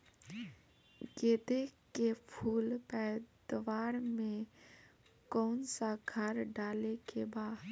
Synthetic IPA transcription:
ɡeːd̪ekepʰuːlpɛːd̪ʋaːɾmẽ | kɔːnsaɡʱəɾɖaːlekebaːd̪

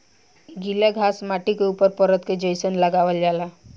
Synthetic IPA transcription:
ɡilaɡʱasmaʈikeupəɾpəɾət̪ked͡ʒəjsənləɡaʋəld͡ʒala

